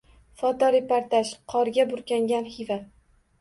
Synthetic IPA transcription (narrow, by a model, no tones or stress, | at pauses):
fɒt̪ɒɾepaɾt̪aʃqʰɒɾɡʲabʊɾkʲaŋɡʲanhɪva